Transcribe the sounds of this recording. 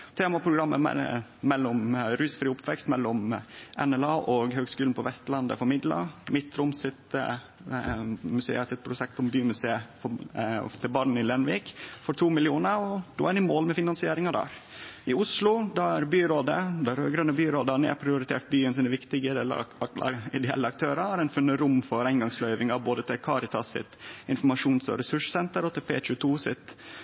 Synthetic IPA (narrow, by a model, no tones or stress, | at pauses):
t̪ʰeːmɑpʰɾʊɡɾɑmːə̰ɛ̰ːɛlːʊmɾʉːsfɾiːʊpʰʋɛkst̪mɛlːɔmɛnɛlɑːʔɔɡhøːɡskʉːln̩pʰɔʋɛst̪lɑnd̪ə̰fɔɾmɪd̪lɑ̰mɪt̪ːɾʊmsɪt̪ | mʉsḛːəsɪt̪̚pʰɾʊʃɛk̚t̪ɔmbyːmʉseːəfɔ̰ft̪ʰɪbɑːɳn̩ɪlɛnʋiːkfɔɾt̪ʰuːmɪlɪuːnəɾɔd̪̥o̰ːænɪmoːlmɛfɪnɑnsɪeːɾɪŋɑd̪æ̰ɾɪʊslʊd̪ɑæɾbyːɾoːd̪əd̪ɑɾhøːɡɾɑnːəbyːɾoːd̪ɑɳɪæ̰pʰɾɪʊɾɪt̪ʰḛːʈ̚byːənsɪnɛʋɪkt̪ɪɡ̪ɛl̰ː | ɪd̪ɛɛ̰lːəɑk̚t̪ʰøːɾɑæɾæɪnfʉnːəɾʊmfɔɾæɪŋɡɑŋslœʏʋɪŋɑboːd̪ət̪ʰɪlkʰɑɾɪt̪ʰɑsːɪ̰t̪ɪnfɔmɑʂuːnsɔ̰ɾɛsʉʂə̥sɛnt̪əɾɔt̪ʰɪlfḛːçʉt̪ʰuːsɪt̪